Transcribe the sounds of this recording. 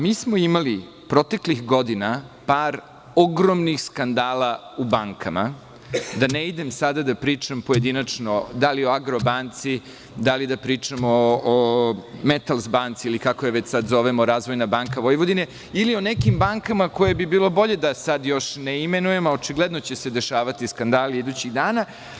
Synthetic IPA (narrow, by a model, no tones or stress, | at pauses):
miːsmoimali | pɾo̞t̪e̞klixɡo̞d̪inapaːɾ | oɡɾomnixskand̪aːlaubaŋkʰama̰ | d̪aneid̪e̞msad̪ad̪apɾiːt͡ʂampo̞je̞d̪inat͡ʂnod̪alio̞aɡɾo̞bant̪si | d̪alid̪apɾiːt͡ʂamoː | met̪alˠzbant̪siilikakoeʋet͡ɕsad̪zo̞ʋemoɾaːzʋojnabaŋkaʋo̞jʋod̪ine̞ | ilio̞nekimbaŋkamako̞jebibiːlˠo̞bo̞ʎe̞d̪asad̪jo̞ʃneimenujemaot͡ʃiɡled̪not͡ɕese̞d̪e̞ʃaːʋat̪iskand̪aːlid̪ut͡ɕiɣd̪aːna